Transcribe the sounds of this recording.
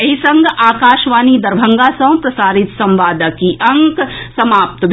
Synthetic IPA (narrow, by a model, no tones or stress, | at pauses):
ɐɦisɐ̃ŋɡʱaːkaːʃʋaːnid̪ɐɾbʱɐŋɡasɐ̃ʋ̃w̃pɾɐsaːɾɪt̪sɐ̃mʋaːd̪əkiʔɐŋksɐmaːp̚t̪bʱ